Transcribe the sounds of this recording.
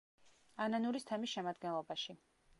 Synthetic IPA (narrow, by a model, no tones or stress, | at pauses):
ananuɾist̪ʰɛmisʃɛmad̪ɡɛnlˠɔbaʃi